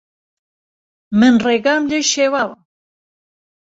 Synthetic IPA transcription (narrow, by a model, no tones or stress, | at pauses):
mɨnreɡamleʃewaw